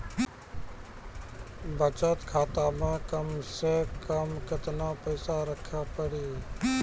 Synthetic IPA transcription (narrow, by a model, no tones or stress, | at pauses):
bʱət͡ʃət̪kʰaːt̪aːmãːkəmsekəmkət̪nãpəɪsaɾəkʰaːpəɽiː